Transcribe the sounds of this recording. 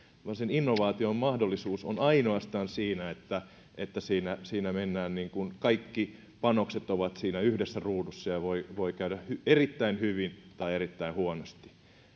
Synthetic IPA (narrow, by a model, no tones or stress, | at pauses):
ʋɑnseninːoʋɑːt̪iommɑhdolːisuːso̰nɑinoɑst̪ɑːnsiːnæet̪ːæ | ʔet̪ːæsiːnæsiːnæmenːæːnniːŋkunkɑikːi | pɑnokset̪oʋɑt̪siːnæyhdesːæruːdusːɑjɑʋoiʋoikæyɾæhyerit̪ːæinhyʋint̪ɑierit̪ːæinhuonost̪i̥